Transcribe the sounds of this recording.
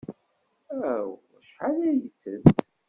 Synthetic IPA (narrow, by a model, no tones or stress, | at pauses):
æw | ʃħalæjət͡sːət̪